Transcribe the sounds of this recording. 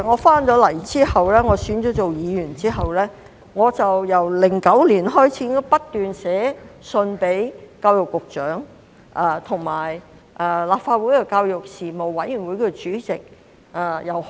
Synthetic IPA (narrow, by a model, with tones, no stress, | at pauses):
ŋɔː˨˧faː˥nt͡ʃɔː˨˥lɐ˨˩jt͡siː˥hɐ˨wlɛː˥ŋɔː˨˧syː˨˥nt͡sɔː˨˥t͡so˨wjiː˨˧jyː˨˩nt͡siː˥ɦɐ˨wlɛː˥ | ŋɔː˨˧t͡sɐ˨wjɐ˨˩wlɪ˨˩ŋkɐ˨˥wliː˨˩nɦɔː˥jt͡sʰiː˧˥ɪ˥ɔ˥pɐ˥t̚t̪ːyː˨nsɛː˨˥sɵ˧npe˨˥jkaː˧wjʊ˨kːʊ˨k̚t͡ʃœː˨˥ŋ | ʔa˨˧t̪ʰʊ˨˩ŋmaː˨˩j | ʔɛ˨˧laː˨p̚faː˧t̚wu˨˥jkɛ˧kaː˧wjʊ˨k̚siː˨˩mo˨˩wːɐ˨˥jy˨˩nwu˨˧˥jkʰːt͡ʃyː˨˥t͡sɪ˨k̚ | ʔa˨˧jɐ˨w